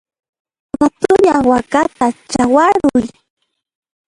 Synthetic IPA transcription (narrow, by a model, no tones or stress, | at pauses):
wat̪ʊʎawakat̪at͡ʃawaɾʊj